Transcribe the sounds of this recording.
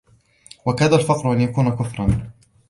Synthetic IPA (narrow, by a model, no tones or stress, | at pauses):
wakaːd̪alfɑqɾʊʔanjakuːnakʊfɾˤɑn